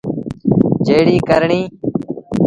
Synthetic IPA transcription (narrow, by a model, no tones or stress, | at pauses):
d͡ʒeːɽiːkəɾɳiː